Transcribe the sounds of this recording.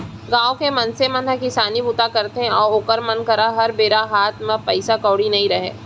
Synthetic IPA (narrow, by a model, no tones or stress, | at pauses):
ɡãːokemɐ̃nsemɐ̃nɦɐkɪsaːnibuːt̪akɐɾt̪eɦɛ̃ɔːɾoːkəɾmɐnkɐɾaɦɐɾbeːɾaɦaːt̪ʰmə̃pɐɪsakɔːɽinɐɦĩɾɐɦḛː